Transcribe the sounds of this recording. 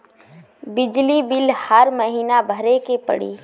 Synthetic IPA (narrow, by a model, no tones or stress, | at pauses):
bɪd͡ʒlibɪlhəɾməɦiːnabʱəɾekepə̰ɽḭː